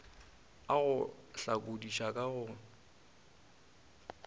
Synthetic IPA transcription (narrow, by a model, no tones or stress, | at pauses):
aɣʊɬakʼodiʃakʼaɣʊ